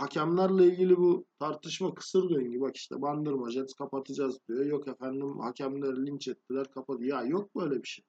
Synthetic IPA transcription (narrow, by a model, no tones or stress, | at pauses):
hacʰæmlʲˠaɾlˠailʲɟilʲibut̪ʰaɾt̪ʰɯʃmakʰɯ̥sɯɾɡ̪øɲɟybaki̥ʃt̪ʰɛ̰band̪ɯɾmad͡ʒɛnkʰapat̪ʰɯd͡ʒazbd̪ijojo̞kefænd̪imhacʰæmlʲæɾlʲint͡ʃɛt̪ːilʲæɾkʰapad̪ɯjjajo̞k̚bø̞jlʲɛbiʃe